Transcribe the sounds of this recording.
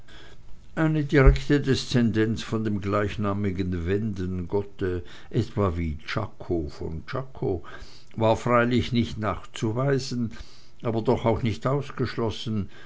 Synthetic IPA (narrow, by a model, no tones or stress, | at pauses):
ʔaɪnədiʁɛktədɛst͡sɛndɛnt͡sfɔndeːmɡlaɪçnaːmɪɡənvɛndənɡɔtə | ʔɛtv̥aːɐviːt͡ʃa̰kʰofɔ̰nt͡ʃakʰo | vaːɐfʁaɪlɪçnɪçtnaːχt͡suvaɪzən̩ | ʔaːbɐdɔχaʊxnɪçtaʊsɡ̥əʃlɔsn̩